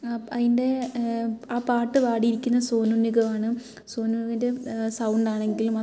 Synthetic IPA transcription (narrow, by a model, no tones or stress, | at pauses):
ɐðinde̞ | aːpaːʈːɨʋaːɽiiɾikʲːunːɐsoːnunːiɣɐʋaːɳɨ | so̞ːnuniɣnde̞sɐwɳɖaːɳe̞ŋɡilumɐ